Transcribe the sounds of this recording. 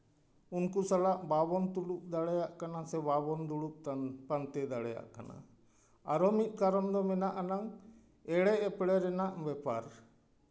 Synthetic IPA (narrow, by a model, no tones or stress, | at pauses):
unkusalaʔbabɔnt̪uluk̚d̪aɽɛjaʔkanasɛβabɔnd̪uɽuʔpant̪ɛd̪aɽɛja̰ʔka̰na̰ | aɾɔmit̪̚ˀkaɾɔnd̪ɔmɛnaʔanaŋ | ɛɽɛʔɛpɽɛɾɛnaʔbɛpaɾ